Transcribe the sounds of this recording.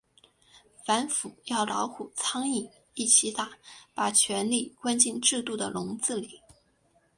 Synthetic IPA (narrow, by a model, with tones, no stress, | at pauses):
fa˧˥nfu˨˩˦jɑ˥˩ʊlɑ˧˥ʊkʰu˨˩t͡sʰɑ˥ŋi˥˩ | i˥˩t͡ɕʰi˧˥t̪a˨˩pa˨˩t͡ɕʰɥɛ˧˥nli˥˩kwa˥nt͡ɕi˥˧nʈ͡ʂɻ̩˥˧t̪u˥˩d̪ə˩lʊ˧˥ŋt͡sɹ̩˥˩li˨˩˦